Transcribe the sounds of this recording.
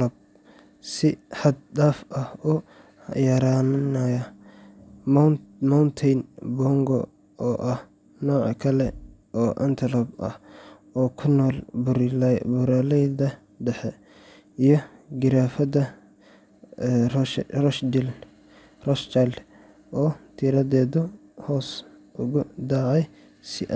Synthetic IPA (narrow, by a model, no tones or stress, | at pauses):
ɐb̚ | sɪħɑd̪̚d̪aːfɐhʊ | jɐɾannɐjɐ | mɐwnt̪ʰɛjnbɔŋɡɔ̰ | ɔːʔɐh | nɔːʕkʰɐlɛʔɔːʔɐ̰nt̪ʰlɐbʔɐ̰h | ɔːkʰʊnɔːlbʊɾɪlɛbʊɾaːlɛjdɐ | ɖɛħɛ | ijɞɡɪɾaːfɐdɐ | rɔʃd̪ɪl | rɔʃt͡ʃɐl | ʔɔːt̪ʰiɾɐðɛːðʊhɔːsʔʊɣʊd̪aːʕɛj | sɪʔ